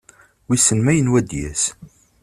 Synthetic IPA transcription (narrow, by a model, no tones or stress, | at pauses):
wisənmæjənwæd̪jæs